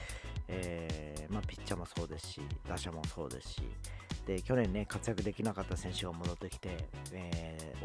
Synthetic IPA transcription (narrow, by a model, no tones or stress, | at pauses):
eːmaːpʲi̥t͡ɕt͡ɕːamo̞so̞ːd̪e̞sɨ̥ɕḭd̪̥aɕamo̞so̞ːd̪e̞̰sɨ̥ɕḭd̪̥e̞kʲo̞nẽ̞nːe̞kat͡sɨjakɯ̟d̪e̞kʲinakat̪ːasẽ̞ɰ̃ɕɨɡamo̞d̪o̞t̪ːe̞kʲi̥t̪e̞